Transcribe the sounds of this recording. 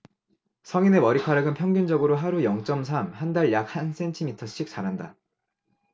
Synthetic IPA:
sʰʌŋine̞mʌɾikʰaɾaɡɯnpʰjʌŋɡund͡ʑʌɡɯɾoɦaɾujʌŋt͡ɕ͈ʌmsʰamhandaɭjak̚hans͈ʰe̞ntʰimitʰʌɕ͈ik̚t͡ɕ͈aɾɦanda

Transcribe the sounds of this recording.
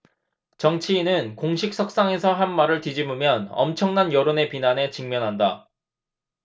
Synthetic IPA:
t͡ɕʌŋt͡ɕʰiːnɯnkoŋɕʰik̚s͈ʰʌk̚s͈aŋe̞sʰʌɦanmaɾɯɭtid͡ʑimumjʌnʌ̰mt͡ɕʰʌŋnanjʌɾone̞pinane̞t͡ɕiŋmjʌnɦanda

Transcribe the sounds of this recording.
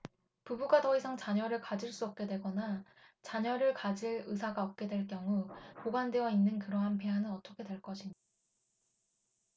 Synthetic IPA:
pubuɡatʌisʰaŋt͡ɕaɲʌɾɯɭkad͡ʑiɭs͈uʌp̚k͈e̞dwe̞ɡʌna | t͡ɕaɲʌɾɯɭkad͡ʑiɭɯsʰaɡaʌp̚k͈e̞dwe̞ɭk͈jʌŋupoɡandwe̞ʌinːɯnkɯɾʌɦanpʰeɦanɯnʌt͈ʌkʰe̞dwe̞ɭk͈ʌɕʰiɲ

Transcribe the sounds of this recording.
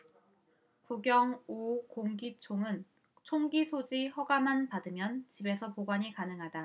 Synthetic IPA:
kuɡjʌŋukoŋɡit͡ɕʰoŋɯn | t͡ɕʰoŋɡisʰod͡ʑihʌɡamanpadɯmjʌnt͡ɕibe̞sʰʌpoɡwaɲikanɯŋɦada

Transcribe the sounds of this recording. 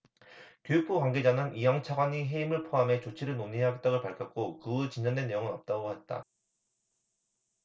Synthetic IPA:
kjojuk̚p͈ukwaŋɡed͡ʑanɯnijʌŋt͡ɕʰaɡwaɲiɦe̞imɯɭpʰoame̞t͡ɕot͡ɕʰiɾɯɭnonieɦaɡe̞t̚t͈aɣoɭpaɭkʰjʌk̚k͈okɯet͡ɕiɲd͡ʑʌndwe̞nːe̞joŋɯnʌp̚t͈aɡoɦet̚t͈a̰

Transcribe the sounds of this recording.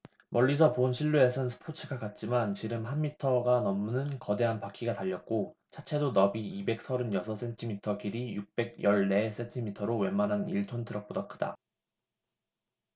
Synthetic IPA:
mʌʎːis̬ʰʌponɕʰiɭːue̞sʰʌnsʰɯ̥pʰot͡ɕʰɯɡakat̚t͡ɕ͈imant͡ɕiɾɯmɦanmitʰʌɡanʌmnɯnkʌde̞ɦanpakʰiɡataʎːʌt̚k͈o | t͡ɕʰat͡ɕʰe̞donʌbiibe̞k̚sʰʌɾɯnjʌsʰʌs͈ʰe̞ntʰimitʰʌkiɾijuk̚p͈e̞ɡ̚jʌɭne̞s͈e̞ntʰimitʰʌɾowe̞manɦaniɭtʰontʰɯɾʌk̚p͈odakʰɯda̰

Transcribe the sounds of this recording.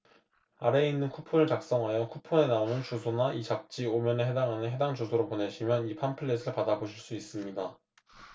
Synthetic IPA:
aɾe̞inːɯnkʰupʰonɯɭt͡ɕak̚s͈ʌŋɦajʌkʰupʰone̞naonɯnt͡ɕosʰonaʔit͡ɕak̚t͡ɕ͈iomjʌneɦedaŋɦanɯnɦe̞daŋd͡ʑosʰoɾopone̞ɕʰimjʌnipʰanpʰɯɭːes̬ʰɯɭpadaboɕʰiɭs͈uis͈ɯmɲida

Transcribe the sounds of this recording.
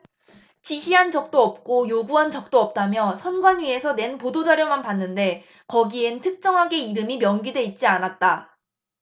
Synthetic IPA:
t͡ɕiɕʰiɦant͡ɕʌk̚t͈oʌp̚k͈ojoɡuɦant͡ɕʌk̚t͈oʌp̚t͈amjʌsʰʌnɡwanɥie̞sʰʌne̞npodod͡ʑaɾjomanpanːɯnde̞ | kʌɡientʰɯk̚t͡ɕ͈ʌŋɦaɡe̞iɾɯmimjʌŋɡidwe̞it̚t͡ɕ͈ianat̚t͈a

